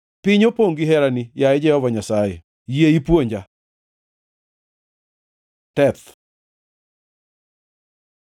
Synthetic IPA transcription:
pɪɲopoŋɡiɦɛɾanijaɛd͡ʒɛhɔvaɲasajɛ̰ | jeipwoɲd͡ʒa | tɛt̪

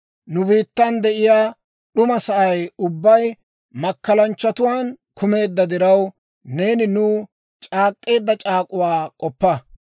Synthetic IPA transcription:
nʊbiːt̪ːɐnd̪ɛʔɪjaː | ɗʊmɐsɐʔɐjʊbːɐj | mɐkːɐlɐnt͡ʃːɐt̪ʊwaːnkʰʊme̞ːd̪ːɐd̪ɪɾɐw | ne̞ːnɪnʊː | t͡ʃʼaːkʼːe̞ːd̪ːɐt͡ʃʼaːkʼʊwaːkʼɔpːɐ

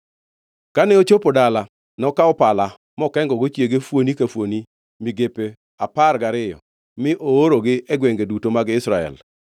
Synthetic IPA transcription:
kanɛot͡ʃopodala | nɔkaɔpala | mɔkɛŋɡɔɡot͡ʃjeɡefwonikafwoni | miɡepe | aparɡaɾɪjɔ̰ | mɪʔooɾoɡɪʔɛɡweŋɡedutomaɡɪsɾaɛ̰l

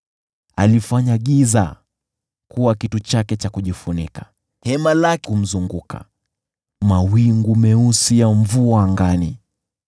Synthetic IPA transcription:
a̰lifaɲaɠiza̰ | kuwakitut͡ʃakɛt͡ʃakuʄifunḭkḁ | hɛmalakɛum̩zuŋɡukʰa̰ | mawiŋɡumɛusijaɱ̩vuaːŋɡani

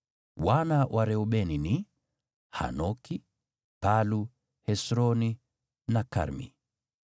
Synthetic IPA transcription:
wanawʔaɾɛuɓɛnini | ha̰nɔki | palu | hɛsɾɔni | naka̰ɾmḭ

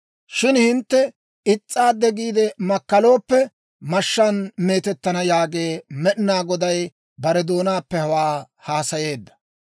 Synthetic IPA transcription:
ʃɪnhɪnt̪ːɛ | ɪt͡sʼːaːd̪ɛɡiːd̪ɛmɐkːɐlo̞ːpːɛ | mɐʃːɐnme̞ːt̪ɛt̪ːɐnɐjaːɡe̞ːmɛʔnaːɡɔd̪ɐj | bɐɾɛd̪o̞ːnaːpːɛhɐwaː | haːsɐje̞ːd̪ːɐ̥

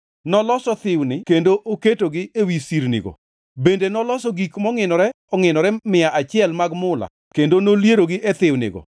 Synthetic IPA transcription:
nɔlɔsɔt̪ɪwnɪkendoʔoketoɡɪewisiɾnɪ̰ɡɔ̰ | bendenɔlɔsɔɡikmɔŋɪnɔɾɛ | ɔŋɪnɔɾɛmɪjaʔat͡ʃɪɛlmaɡmʊla̰ | kendonoljeɾoɡɪʔet̪ɪwnɪ̰ɡɔ̰

